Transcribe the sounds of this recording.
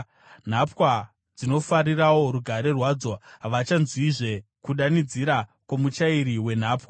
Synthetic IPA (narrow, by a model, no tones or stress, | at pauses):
n̤apwa | d͡zino̞faɾirawo̞ɾuɡʱaɾe̞rwaːd͡zo̞ɦaʋat͡ʃanzwiʐe̞ | kuɗanid͡ziɾakomut͡ʃaiɾiwe̞n̤aːpwa